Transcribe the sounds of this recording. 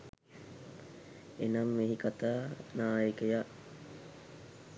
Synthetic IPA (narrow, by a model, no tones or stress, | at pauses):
enamːeɦikat̪aːnaːjəkejaʔ